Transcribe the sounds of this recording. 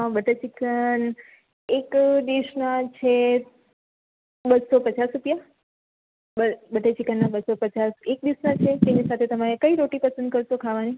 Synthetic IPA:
ãbəʈet͡ʃikən | ekd̪eʃnat͡ʃʰe | bəd̪sopət͡ʃasɾupja | bəbəʈet͡ʃikənːabəsopət͡ʃasek̚d̪iʃnat͡ʃʰet̪enisat̪ʰet̪əmaekəiɾoʈipəsənd̪̚kəɾʃokʰaʋani

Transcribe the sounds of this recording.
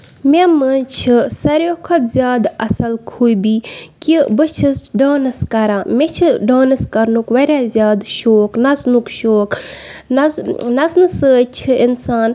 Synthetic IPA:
mʲemənt͡ʃʰɨsɐɾjoːkʰɐt̪zʲjaːd̪ɐsɐlkʰuːjbiːkibɨt͡ʃʰisɖoːnɐskɐɾãːmet͡ʃʰiɖaːnɐskɐɾnukʋɐɾʲjaːzʲjaːd̪ʃoːknɐznukʃoːk | nɐnɐznɨsət͡ʃʰɨinsaːn

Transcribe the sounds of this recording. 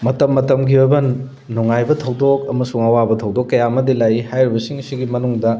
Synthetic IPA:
mɐtɐmːɐtɐmɡiojbɐnː | uŋajbɐtʰɐwdok̚ɐmɐsuŋɐwabɐtʰɐwdokːɐjaɐmɐdilajihajɾibɐsiŋsiɡimɐnuŋdɐ

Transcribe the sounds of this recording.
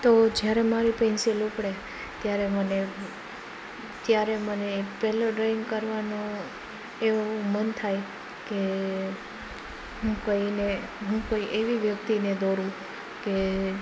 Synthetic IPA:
t̪od͡ʒjaɾemaɾipɛ̃nsilupɽe | t̪jaɾeməne | t̪jaɾemənepɛloɖɾaiŋɡkəɾʋanõ | eʋoomənt̪ʰaj | ke | ɦũkoine | ɦũkoiʔeʋiʋjək̚t̪ined̪oɾũ | ke

